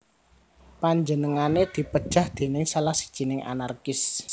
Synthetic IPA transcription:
paɲd͡ʒənəŋaned̪̥i̤pəd̥ʒ̥a̤hd̪̥e̤nɪŋsalahsi̥d̥ʒ̥i̤nɪŋʔa̰narkɪs

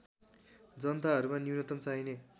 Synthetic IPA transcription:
d͡zʌnt̪aɦʌɾumaniwnʌt̪ʌmt͡saine

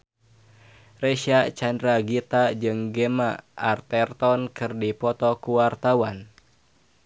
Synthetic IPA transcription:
rɛʃat͡ʃandɾaɡit̪ad͡ʒɨŋɡemaʔart̪ɛrt̪ɔnkɨrdipɔt̪ɔkuwart̪awan

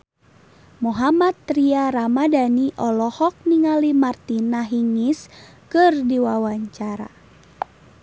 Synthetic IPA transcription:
muɦamat̪ːɾiaɾamadaniʔɔlɔhɔk̚niŋalimart̪inaɦiŋis | kɨrdiwawaɲt͡ʃaɾa̰

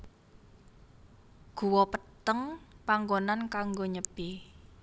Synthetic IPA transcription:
ɡ̥ṳwɔpət̪əŋpaŋɡonankaŋɡoɲəb̥i

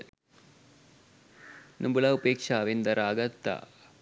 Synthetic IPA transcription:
nʔumbulɐupeːkʂaːʋind̪ɐɾaːɡɐt̪ːa̰

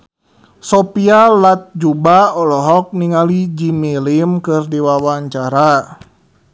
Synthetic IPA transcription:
sɔpialat̪̚d͡ʒubaɔlɔɦɔk̚niŋalid͡ʒimilimkɨrdiwawaɲt͡ʃaɾa

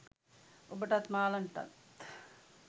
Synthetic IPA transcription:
obəʈɐt̪maːlɐɳʈɐ̰t̪

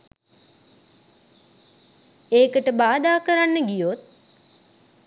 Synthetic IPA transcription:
eːkəʈəbaːd̪aːkəɾanːəɡijot̪̚

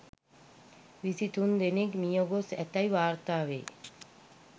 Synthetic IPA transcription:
ʋisit̪und̪enekmijoɡosɛt̪ajʋaːɾt̪aːʋḛː

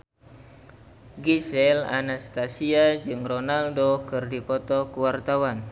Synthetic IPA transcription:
ɡisɛla̰nast̪asiad͡ʒɨŋrɔnaldokɨrdipɔt̪ɔkuwart̪awan

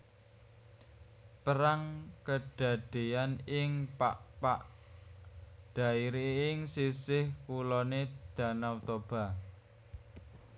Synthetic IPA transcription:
pəɾaŋkəɖ̥ä̤d̪̥e̤anɪŋpaʔpaʔ | ɖ̥a̤iɾeɪŋsisɪhkulɔned̪̥ä̤nawt̪ob̥a̤

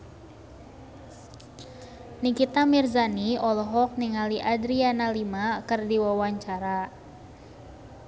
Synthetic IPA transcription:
nikit̪amirzaniɔlɔɦɔk̚niŋaliʔadɾianalimakɨrdiwawaɲt͡ʃaɾa

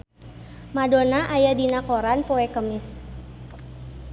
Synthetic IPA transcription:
madonaʔajadinakoɾanpoɛkəmɪs

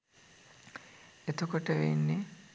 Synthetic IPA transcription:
et̪ukoʈəʋḛnːi

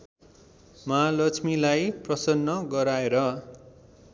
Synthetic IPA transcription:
maalʌt͡sʰmilajprʌsʌnːʌɡʌɾaeɾʌ

